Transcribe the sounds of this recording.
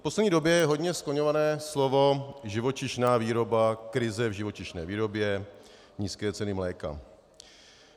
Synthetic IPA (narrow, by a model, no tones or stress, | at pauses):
poslɛdɲiːdo̞bjɛjɛɦo̞dɲɛskloɲovanɛːslovo̞ʒɪvo̞t͡ʃɪʃnaːviːɾo̞bakɾɪzɛvʒɪvo̞t͡ʃɪʃnɛ̰ːviːɾo̞bjɛ | ɲiːskɛːt͡sɛnɪmlɛːka̰